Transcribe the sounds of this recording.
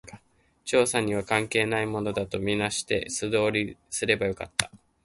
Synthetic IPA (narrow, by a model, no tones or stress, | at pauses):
t͡ɕo̞ːsaɲ̟iβ̞akãŋke̞ːnaimo̞no̞d̪at̪o̞mʲinaɕi̥t̪e̞̰sɨd̪o̞ːɾʲisɨɾe̞bajo̞ka̰t̪ːḁ